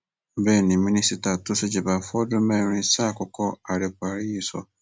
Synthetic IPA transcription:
bɛ˦˨nĩ˨mĩ˦nĩ˦si˦ta˨tʊ˦sɪ˦d͡ʑɪ˨ba˨fɔ˦dʊ˦mɛ̃˦ɾ̃ĩ˦sa˦˨kɔ˨kʰɔ˦a˨ɾe˨kʰʷa˨ɾi˦ji˨sɔ̰˦

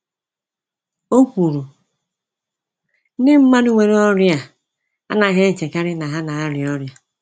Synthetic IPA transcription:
o˦kʷu˨ɾu˨˦ | ɪ˦m̩˦ma˦nu˦ŋʷe˦ɾe˦ɔ˦ɾja˨ | a̰˦na˨ɣe˦˨t͡ʃe˨ka˦ɾɪ˦na˨ɦa˦na˨a˦ɾi˨ɔ˦ɾja˦

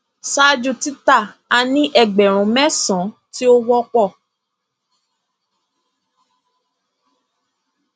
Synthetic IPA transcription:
sa˦d͡ʒu˦˧˨ti˦ta˦˨ | a˧nĩ˦ʔɛ˦˨ɡ͡bɛ˨ɾ̃ũ˨mɛ̃˦sɔ̃˨˦ | ti˦o˦wɔ˦k͡pɔ˦˨

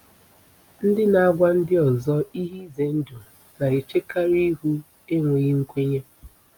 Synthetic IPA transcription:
n̩˦dɪ˦na˨a˦ɡʷa˦n̩˦dɪ˦ɔ˨zɔ˦i˦ɦi˦ze˨n̩˦du˨ | na˨i˨t͡ʃe˦ka˦ɾi˦ɦu˦ | e˦ŋʷe˨ɣi˦ŋ̩˦kʷe˦ɲe˦

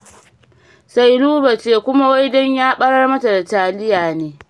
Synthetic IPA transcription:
sa˦jluː˦ba˨t͡ʃeː˦kʷʊ˦ma˦wa˦jdɔ˦ɲjaː˦ɓɐ˦ɽɐ˦rmɐ˦ta˨da˨taː˨lɪ˦jaː˨neː˦

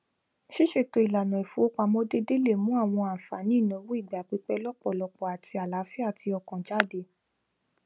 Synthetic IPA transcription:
ʃi˦ʃe˦˨to˧i˨la˨nɔ̃˨i˨fu˨˦o˦k͡pa˧mɔ̃˦de˦de˦le˦˨mũ˦a˦˨w̃ɔ̃˧a˨fa˨nĩ˦˨nã˨˦wu˦i˦˨ɡ͡ba˨k͡pi˧˦k͡pɛ˦lɔ˦k͡pɔ˨lɔ˧k͡pɔ˨a˨tʰi˧a˨la˨˦fi˦a˦˨ti˧ɔ˧kɔ̃˨d͡ʒa˦˨de˧˨

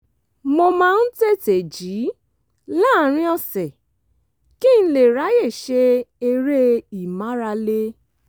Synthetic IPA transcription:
mo˧mãː˦˧n̩˦te˦te˨d͡ʒi˨˦ | la˦˨ɾ̃ĩ˦ɔ˦˧sɛ˨ | kĩ˦˨n̩˦le˨ɾa˨˦je˦˨ʃe˧˦e˧ɾe˦i˨mã˨˦ɾa˧le˦

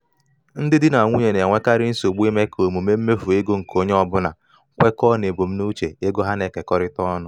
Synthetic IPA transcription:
n̩˦dɪ˦dɪ˦na˨ŋʷu˦ɲe˨ne˨ŋʷe˦ka˦ɾɪ˦n̩˦so˨ɡ͡bi˦me˦kʰo˨mu˨me˦m̩˦me˦fu˨e˦ɡo˦ŋ̩˨kʰo˦ɲe˦ɔ˨bʊ˦na̰˨˦ | kʷe˦kɔ˦ne˨bo˨m̩˦nu˦t͡ʃe˨e˦ɡo˦ɦa˦ne˨ke˨kɔ˦ɾɪ˦tɔ˦nʊ˨

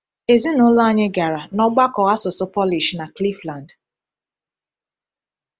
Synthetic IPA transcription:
e˨zi˦nʊ˦la˦ɲɪ˦ɡa˨ɾa˨nɔ˦ɡ͡ba˦kɔ˨ɣa˦sʊ˨sʊ˦pɔ˦li˨ʃna˨kli˦fla˨nd

